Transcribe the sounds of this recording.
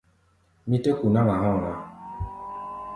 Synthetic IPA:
mi˦te˦ku˨na˦la˨ɦɔ̃˦˨na˦

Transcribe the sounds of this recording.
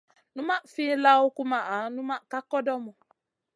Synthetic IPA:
nu˦ma˦fi˦la˦ʊ˦ku˦ma˨ʔa˨˦nũ˦ma˦ka˦kɔ˦dɔ˦mɔ˨

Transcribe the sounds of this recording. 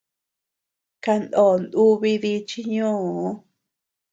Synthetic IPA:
ka˧nd̪o˨nd̪u˦βi˧ði˧˦t͡ʃi˧ɲũː˦˨˦

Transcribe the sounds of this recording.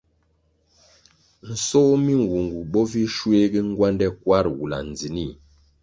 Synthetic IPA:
n̩˨sɔ˦mi˦ŋ˨wu˨ŋɡu˨ɓɔ˦vi˦ʃwe˦ɡi˦ŋ˦ɡwa˦ndɛ˦kwa˦ɾwu˨la̰˨n˨d͡zi˨ni˦˨

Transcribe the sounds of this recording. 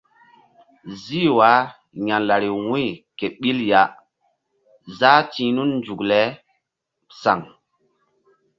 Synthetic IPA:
zi˦wa˨˦ | ɲa˨nla˨ɾi˨wũ˦jke˨ɓi˦lja˨ | zaː˦tĩ˨˦nu˦nnd͡ʒu˨klɛ˨˦ | sa˨ŋ

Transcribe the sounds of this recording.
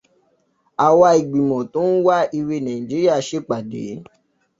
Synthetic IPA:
a˨wa˧i˨ɡ͡bi˨mɔ̃˨tõ˨˦n̩˦wa˦i˧wi˧nã˨ĩ˨d͡ʒi˨˦ɾi˦a˦˨ʃe˦k͡pa˨dḛ˨˦

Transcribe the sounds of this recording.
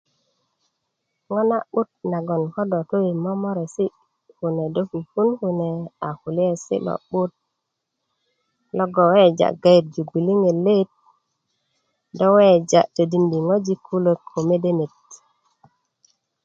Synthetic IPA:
ŋo˦na˦ɓu˦t̚na˨ɡo˨nko˦do˨to˦i˨mo˦mo˦ɾe˨si˦ | hu˨ne˨do˦ku˨fu˦nku˨ne˨a˨hu˨li˦e˨sḭ˦lo̰˨ɓu˦t̚ | lo˦ɡo˨we˦d͡ʒa̰˨ɡa˦ji˨t̚d͡ʒu˨ɡu˨li˦ŋe˨le˦t̚ | do˦we˦d͡ʒa̰˨ʔtə˨di˨ndi˨ŋo˦d͡ʒi˦kʰːu˦lə˨kʰːo˨me˦de˦ne˨t̚

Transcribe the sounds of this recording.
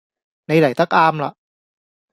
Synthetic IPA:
na˧jɾa˨˩˦jt̪a˦˥˩k̚ʔaː˧mla̰˨˩ʔ

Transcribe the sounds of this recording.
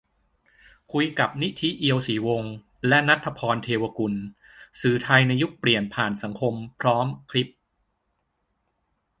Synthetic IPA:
kʰu˧jka˨˩p̚ni˦˥t̪ʰi˦˥ʔi˧əwsiː˩˦wo˧ŋ | lɛ˦˥na˦˥t̪ʰːa˧pʰɔː˧nt̪ʰeː˧wa˧ku˧n | sɯː˨˩˦t̪ʰa˧jna˧jːu˦˥k̚pli˨˩ənpʰaː˨˩nsa˩˦ŋkʰo˧mpʰɾɔː˦˥mkʰɾi˦˥p̚

